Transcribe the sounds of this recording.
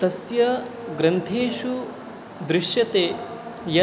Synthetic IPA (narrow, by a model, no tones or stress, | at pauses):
ɐsjɐɡɾɐnt̪ʰeːʃu | d̪ɾɪʃjɐt̪eːjɐ